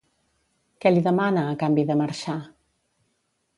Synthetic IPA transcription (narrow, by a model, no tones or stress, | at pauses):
kɛliðəmanəːkambiðəməɾʃa